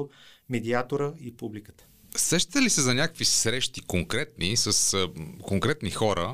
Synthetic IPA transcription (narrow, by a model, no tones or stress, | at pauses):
mɛd̪iat̪oɾəipublikət̪ə̥ | sɛʃt̪ə̥t̪ɛlisɛzɐnʲakə̥kvisɾɛʃt̪ikoŋkɾɛt̪̚nisəskoŋkɾɛt̪nixɔɾə